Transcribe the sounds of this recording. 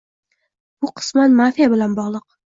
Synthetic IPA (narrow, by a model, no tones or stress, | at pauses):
b̥ʊqʰɨ̥smanmafijabɪlanbɒʁlˠɨq̚